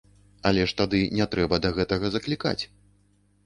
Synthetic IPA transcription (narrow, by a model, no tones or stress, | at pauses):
ɐlʲɛʂt̪ad̪ɨnʲɛt̪ɾɛbɐd̪ɐɣɛt̪ɐɣɐzɐklʲika̰t͡sʲ